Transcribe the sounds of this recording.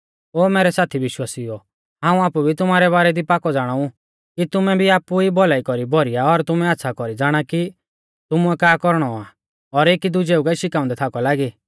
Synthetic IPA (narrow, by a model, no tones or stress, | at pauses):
oːmɛːɾɛsaːt̪ʰiʋɪʃwaːsiɔ | ɦãːũaːpubʱit̪ʊmaːɾɛβaːɾɛd̪ipaːkɔd͡zaːɽ̃aũ | kit̪ʊmɛbʱiaːpuibɔlaːikɔɾibʱɔɾijaɔɾt̪ʊmɛat̪ːsʰakɔɾid͡zaːɽ̃aki | t̪ʊmuɛkaːkɔɾɽ̃ɔa | ɔɾeːkid̪ʊd͡ʒeːukaiʃɪkaːʊ̃nd̪ɛt̪ʰaːkɔlaːɡiː